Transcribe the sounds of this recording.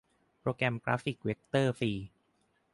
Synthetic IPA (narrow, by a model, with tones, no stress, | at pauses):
pɾoː˧kɛ˧mkɾa̰˦˥fi˨˩k̚we˦˥k̚t̪ɤː˥˩fiː˧